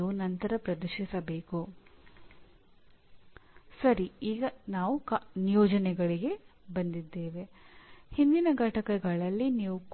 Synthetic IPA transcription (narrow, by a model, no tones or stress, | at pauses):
unɐnt̪ɐɾɐpɾɐd̪uʃisɐbe̞ːku | sɐɾiiːɡɐnaːʋuknijɔːd͡ʒɐnɛɡɐɭiɡe̞bɐnd̪id̪ːe̞ːʋe̞hind̪inɐɡʱɐʈɐkɐɡɐɭɐlːiniːʋuk